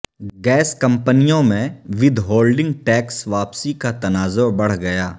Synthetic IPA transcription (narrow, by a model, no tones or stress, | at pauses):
ɡɛːskɐ̃mpənijõmẽʋɪd̪ʱɦoːlɖɪ̃ŋɡʈɛːksʋaːpsikat̪ɐnaːzobɐɽ̤ɡɐjaː